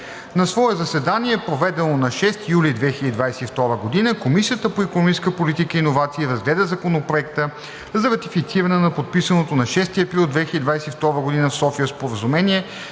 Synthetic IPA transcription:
nɐsvɔɛzɐsɛd̪aniɛpɾovɛd̪ɛnonɐʃɛst̪ijulid̪vɛxilʲəd̪id̪vajsɛift̪ɔɾəɡod̪inəkomisijət̪əpoikonmit͡ʃskəpolit̪ikəinovat̪siːɾɐzɡlɛd̪əzɐkonopɾoɛkt̪ə | zɐɾɐt̪ifit̪siɾɐnɛnɐpot̪̚pisənot̪onɐʃɛst̪iɐpɾilˠd̪vɛxilʲəd̪ʲid̪vajsɛift̪ɔɾəɡod̪inəfsɔfijəspoɾəzumɛniɛ

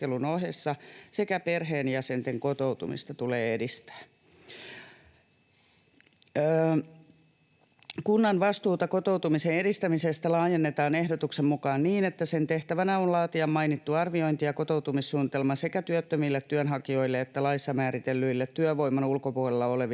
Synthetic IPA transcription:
elunohesːɑsekæperɦeːnjɑsent̪eŋkot̪out̪ṵmḭst̪ɑt̪uleːedist̪æ̥ː | kunːɑnʋɑst̪uːt̪ɑkot̪ouwt̪umiseneɾist̪æmisest̪ælɑːjenːet̪ɑːnehdot̪uksemmukɑːnniːnet̪ːæsent̪eht̪æʋænæonlɑːt̪iɑmmɑinit̪ːuɑrʋio̞int̪ijɑkot̪owt̪umissuːnit̪elmɑsekæt̪yøt̪ːømilːet̪ːyønɦɑkio̞ilːeet̪ːælɑisːɑmæːɾit̪elːyilːet̪tyøʋoimɑnulkopuɒlelːɑoleʋ

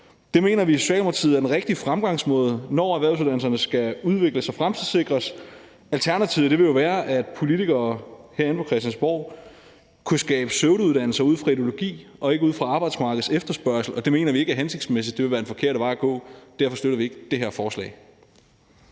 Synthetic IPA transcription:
d̥e̝me̝̰ːnɐʋiːso̝̥ɕɛ̰ːloɑt͡sʰiðˠɐd̥enʁeɡ̥̚d̥ifʁamɡ̥ɑ̈ŋsmɔ̰̽ːð̞ˠənɒ̰ːæʋæɐʊsuð̞ˠdænlsɐnəsɡ̥æuðˠʋe̝ɡ̥ləsɒfʁamt͡sʰið̰ˠse̝ɡ̥ʁɐs | ælt͡sʰæɐnæt͡sʰiʊð̩ˠd̥e̝ʋe̝ljo̝ʋæːɐʔæd̥pʰo̝lit͡siɡ̥ɐːhæɐ̰e̝npʰɒ̽kʰʁɛsd̥jænsb̥ɒʊ̰ | kʰusɡ̥ɛ̰ːb̥əsøʊɾəuð̞ˠd̥æn̰l̩sɐuð̞̰ˠfʁɑ̈id̥ijo̝lo̝ɡ̥ḭːʔɒ̽e̝ɡ̥əuːð̞̩̰ˠfʁɑ̈ɑ̈ːb̥ɑ̈ɪd̥smɑ̈ːɡ̥ð̩ˠsefd̥ɐsb̥ɶɐ̰sl̩ɒ̽d̥e̝me̝̰ːnɐʋie̝ɡ̥æɐɦense̝ɡ̥̚d̥smes̬id̥e̝ʋe̝ʋæːɐenfɒ̽kʰe̝ɐ̰ɾəʋɑ̈ɪ̰ɡ̥ɔ̰̽ːd̥æɐ̰fɒ̽sd̥øɾɐʋie̝ɡ̥əd̥e̝ɦeɐfɒːslɛ̰ːɪ

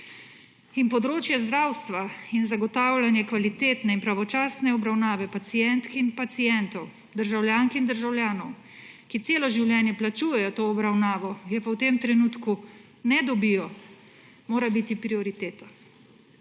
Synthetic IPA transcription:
inpɔd̪ɾoːt͡ʃjɛzd̪ɾaːwst̪ʋainzaɡɔt̪aːwlʲjanjɛkʋalit̪eːt̪nɛinpɾaʋɔt͡ʃaːsnɛɔbɾawnaːʋɛpat̪sijɛnt̪kinpat̪sijɛnt̪ɔw | d̪əɾʒawljaːŋkind̪əɾʒawljaːnɔw | kit̪seːlɔʒiwljɛːnjɛplat͡ʃuːjɛjɔt̪oːbɾawnaːʋɔjɛpawt̪eːmt̪ɾɛnuːt̪ku | nɛd̪ɔbijɔ | moːɾabit̪ipɾiɔɾit̪eːt̪ḁ

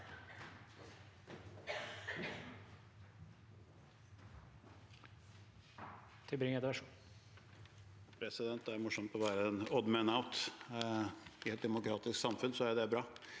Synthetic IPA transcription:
t̪ʰɪlbɾɪŋəd̪ʋæʂuː | pʰɾɛsɪd̪ɛnt̪̚d̪ɛæɾmʊʂɔmt̪ɔʋæːɾəɛnɔd̪mɛnaʊt̪ | ɪɛt̪̚d̪ɛmʊkʰɾɑːt̪ɪsksɑmfʉnsɔæd̪ɛæbɾɑː

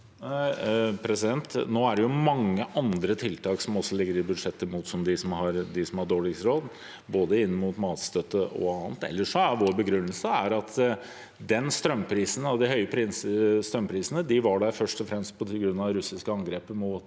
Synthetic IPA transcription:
pʰɾɛsɪd̪ɛnt̪noːæɖɛjʊmɑŋːəʔɑnd̪ɾət̪ʰɪlt̪ʰɑːksɔmɔsːɔlɪɡːəɾɪbʉd̪ʂɛt̪ːəmuːt̪sɔmd̪ɪsɔmhɑɾd̪ɪsɔmhɑɖoːlɪksɾoːd̪ | boːd̪əɪnːəmuːt̪mɑːt̪st̪œt̪ːəʔɔ̰ɑːnt̪ɛ̰lːəʂɔæʋoːɾbəɡɾʉnːəlsəæɾɑt̪ʰ | d̪ɛnst̪ɾœmːpʰɾiːsənɔd̪ɪhœʏəpʰɾisst̪ɾœmpʰɾiːsənəd̪ɪʋɑɖæɾfœʂʈɔfɾɛmst̪̚pʰɔt̪ʰɪɡɾʉnːɑɾʉsɪskəɑŋɡɾeːpəmʊːt̪

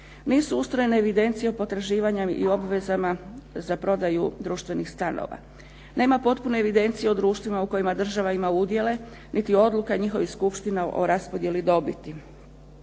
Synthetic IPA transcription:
niːsuust̪ɾo̞je̞neːʋid̪e̞nt̪sijeopo̞t̪ɾaʒiːʋaɲaḭo̞bʋe̞zamazapɾo̞d̪ajud̪ɾuːʃt̪ʋe̞nixst̪ano̰ʋa̰ | ne̞ːmapo̞t̪pune̞ːʋid̪e̞nt̪sijeo̞d̪ɾuːʃt̪ʋimauko̞jimad̪r̩ʒaʋaimaud̪je̞le̞ | nʔit̪io̞d̪lukaɲixo̞ʋixskupʃt̪inaʔo̞̰ɾaspo̞d̪je̞lid̪o̞bit̪i

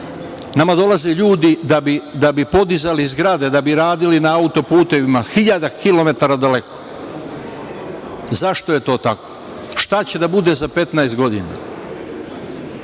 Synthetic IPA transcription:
namad̪o̞laziʎuːd̪id̪abid̪abipo̞d̪izalizɡɾad̪e̞d̪abiɾaːd̪ilinaaut̪o̞puːt̪e̞ʋimaxiʎad̪akilo̞me̞t̪aɾad̪ale̞ko̥ | zaʃt̪o̞je̞t̪o̞ːt̪ako | ʃt̪at͡ɕe̞d̪abud̪e̞zape̞t̪naest̪̚ɡo̞d̪ḭna̰

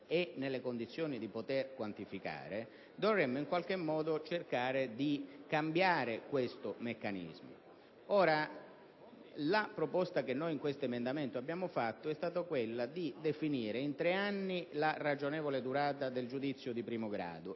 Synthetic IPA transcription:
enelːekond̪it̪sːjoːnid̪ipot̪erkwant̪ifika̰ːɾe | d̪orrɛmːʊiŋkwalk̟emːɔːd̪ot͡ʃerkaːɾed̪ikambjaːɾekwest̪ʊmekːanḭzmo̰ | ɔːɾa | lapɾopɔst̪ak̟enːojiŋkwest̪oemend̪ament̪oabːjaːmʊfat̪ːoɛst̪aːt̪okwelːad̪id̪efiniːɾeint̪ɾeanːilarad͡ʒonɛːvoled̪uɾaːt̪ad̪eld͡ʒud̪it̪sːjʊd̪ipɾiːmoɡɾa̰ːd̪ʊ

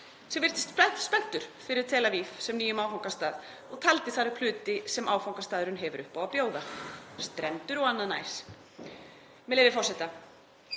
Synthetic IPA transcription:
sɛvɪɾ̥t̪ɪst̪pʰlajt̪spɛn̥t̪ʏɾ̥fɪɾɪɾ̥t̪ʰɛːlavifsɛmniːjʏmawfawŋkast̪aːð | ɔɣt̪ʰalt̪ɪθaɾɪpʰlʏːt̪ɪsɛmʔaːwfawŋkast̪aːðʏɾʏnɦɛvʏɾʔʏhpawapjoːwðast̪ɾɛnt̪ʏɾɔɣanːaðna̰ːjs | mɛlejvɪfɔrsɛt̪a

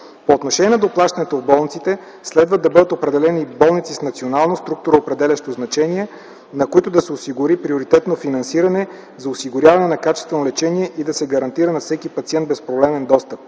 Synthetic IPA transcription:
poːt̪noʃɛniɛd̪oplˠaʃt̪ɐnɛt̪ovbɔlˠnit̪sit̪ɛ | slɛd̪vəd̪ɐbɤd̪ət̪opɾɛd̪ɛlɛnibɔlˠnit̪sisnɐt̪sionalˠnost̪ɾuk̚t̪uɾoopɾɛd̪ɛlʲɐʃt̪oznɐt͡ʃɛniɛ | nɐkoit̪ʊd̪ɐsɛosiɡʊɾipɾioɾit̪ɛt̪nofinɐnsiɾɐnɛ | zɐosiɡʊɾʲavɐnɛnɐkat͡ʃɛst̪vɛnolɛt͡ʃɛniɛʔid̪ɐsɛɡɐɾɐnt̪iɾənɐfsɛkipɐt̪siɛnd̪bɛspɾoblɛmɛnd̪ɔst̪əp̚

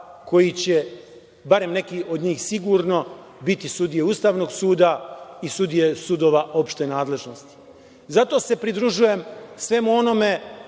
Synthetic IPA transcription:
ko̞jit͡ɕe̞ | baɾe̞mne̞kiʔo̞d̪ɲiːxsiɡuːɾno̞ | bit̪isud̪ije̞ust̪aːʋno̞ːɡsuːd̪aisud̪ije̞sud̪o̞ːʋaʔo̞pʃt̪e̞naːd̪le̞ʒno̞st̪i̥ | zat̪o̞ːse̞pɾid̪ɾuʒuje̞msʋe̞muo̞no̞me̞

